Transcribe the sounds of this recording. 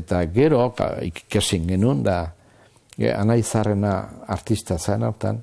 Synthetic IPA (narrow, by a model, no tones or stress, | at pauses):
et̪aɡe̞ɾo̰kasiŋɡe̞nund̪a | a̰najsare̞na̰ːɾt̪ist̪asanawɾt̪a̰n